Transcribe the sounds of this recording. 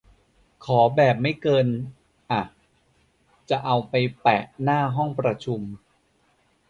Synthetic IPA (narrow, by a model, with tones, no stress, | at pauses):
kʰɔː˩˦bɛː˨˩p̚ma˥˩jkɤː˧n | ʔa˨˩ | t͡ɕa˨˩ʔa˧wpa˧jpɛ˨˩ʔnaː˥˩ɦɔ˥˩ŋpɾa˧t͡ɕʰu˧m